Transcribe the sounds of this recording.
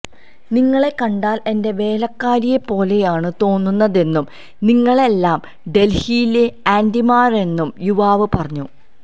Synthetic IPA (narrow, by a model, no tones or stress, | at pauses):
niŋːɐɭe̞kɐɳɖaːle̞nde̞ʋe̞ːlɐkːaːɾijepːo̞ːle̞jaːɳɨt̪o̞ːnːunːɐðe̞nːum | niŋːɐɭe̞lːaːm | ɖe̞lhijleaːndimaːre̞nːumjuʋaːʋɨpɐrɐɲːu